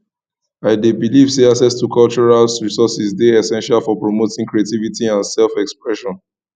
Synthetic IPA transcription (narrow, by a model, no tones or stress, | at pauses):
aɪdebilivseasɛstukʰalt͡ʃɔɹalɹisɔsisdeɛsɛ̃nʃalfɔpɹomotĩŋkɹietivitiãnsɛlfɛkspɹɛʃɔ̃n